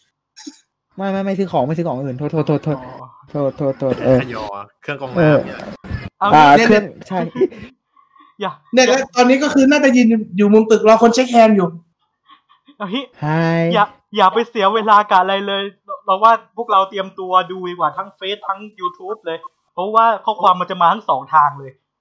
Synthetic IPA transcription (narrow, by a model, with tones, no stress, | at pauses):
ma˥˩jma˥˩jma˥˩jsɯː˦˥kʰɔː˩˦ŋma˥˩jsɯː˦˥kʰːɔː˩˦ŋʔɯː˨˩nt̪ʰoː˧˩t̪ʰoː˧˩t̪ʰːoː˧˩t̪ʰoː˧˩ | t̪ʰoː˨˩t̪ʰːoː˨˩t̪ʰːoː˨˩t̪̚ʔɤː˧˩˧ɔ˨˩kʰɯ˥˩ŋkʔɤː˧˩˧ | ʔaː˨˩˥kɯ˥˩əŋt͡ɕʰa˥˩j | jaː˨˩k̚nɛ˥˩˨kɔ˦˥˩t̪ɔː˧nːiː˦˥k̬ɔ˥˩kʰɯː˧naː˥˩t͡ɕɛ˨˩ji˧n˧juː˨˩mu˧mt̪ɯ˨˩k̚lɔː˧kʰo˧nt͡ɕʰe˦˥k̚hɛː˧njuː˨˩ | ʔa˧ɦi˦˥t͡ɕʰa˥˩jjaː˨˩k̚ | jaː˨˩k̚pa˧jsi˨˩˦weː˧laː˧ka˨˩ʔa˧ɾa˧jlɤː˧j | pɔ˦˩waː˥˩pʰu˥˩ək̚ɾa˧wt̪i˧əmt̪u˧ɐduː˧iː˨˩kwaː˨˩t̪ʰa˦˥ŋfe˦˥t̪̚ʰːa˦˥˩ŋjuː˧t̪ʰuː˦˥p̚lɤː˧j | pʰɔ˦˥waː˥˩kʰɔː˥˩kʰwaː˧mːa˧nt͡ɕa˨˩maː˧t̪ʰa˦˥ŋsɔː˩˦ŋt̪ʰaː˧ŋlɤː˧j